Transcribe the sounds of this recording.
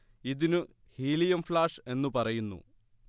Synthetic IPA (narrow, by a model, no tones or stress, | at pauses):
iðinɨ | hiːlijɐmflaːʂe̞nːupɐrɐjunːṵ